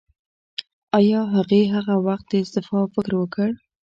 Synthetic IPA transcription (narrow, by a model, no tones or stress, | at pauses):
ɑjɑɦaɣeɦaɣawaxt̪̚d̪əɪst̪ɪfɑfɪkɾwəkʰəɽ